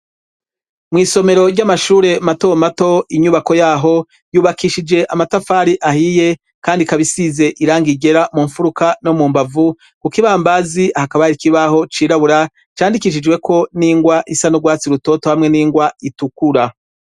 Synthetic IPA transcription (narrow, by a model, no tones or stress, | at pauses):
mŋiːso̞me̞ɾo̞ɾɟamaʃuːɾe̞mato̞mato̞iɲuβako̞jaːɦo̞ | juːβakiʃid͡ʒe̞ʔamatafaːɾiʔahije̞ | kaːndikaβisize̞ʔiɾaːŋɡiɡe̞ɾamuːɱfuɾukano̞muːmbavu | kukiβaːmbaziahakaβajaɾikiβaho̞t͡ʃiːɾaβuɾa | t͡ʃaːndikiʃ̬id͡ʒwe̞kʰo̞niːŋɡwaʔisanuɡwaːt͡siɾuto̞ːto̞hamŋe̞niːŋɡwaitukuɾa